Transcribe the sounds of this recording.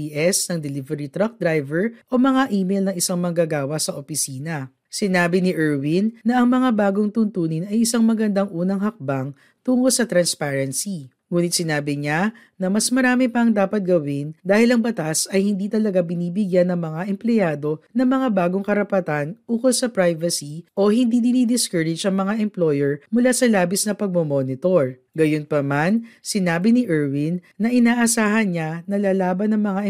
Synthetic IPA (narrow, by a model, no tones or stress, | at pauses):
iʔɛsnɐŋd̪ɛlɪvɛɾit̪ɾɐk̚d̪ɾajvɛɹʔo̞mɐŋaʔiːmejlnɐŋɪsaŋmɐŋɡɐɡaːwɐsɐʔopɪsiːnɐ | sɪnaːbɪnɪʔɛɹwinːɐʔɐŋmɐŋabaːɡoŋt̪ʊnt̪uːnɪnɐjʔɪsaŋmɐɡɐnd̪aŋʔuːnɐŋɦɐk̚baŋ | t̪uːŋolsɐt̪ɾɐnspaɹɛnsi | ŋuːnɪt̪̚sɪnaːbɪɲa | nɐmɐsmɐɾaːmɪpɐɐŋd̪aːpɐt̪̚ɡɐwɪnd̪aːhɪlɐŋbɐt̪asɐjhɪnd̪iːt̪ɐlɐɡabɪniːbɪɡjanɐŋmɐŋaʔɛmplɛjaːd̪o̞nɐŋmɐŋabaːɡo̞ŋkɐɾɐpɐt̪anuːkolsɐpɾajvɐsiʔo̞hɪnd̪id̪ɪnid̪ɪskɛɹɪd͡ʒʔɐŋmɐŋaʔɛmplo̞jɛɹmʊlasɐlaːbɪsnɐpɐɡ̚momonɪt̪oɹ | ɡɐjonpɐmansɪnaːbɪnɪʔɛɹwinːɐʔɪnaːʔɐsaːhɐnɲanɐlaːlaːbɐnɐŋmɐŋaʔɛ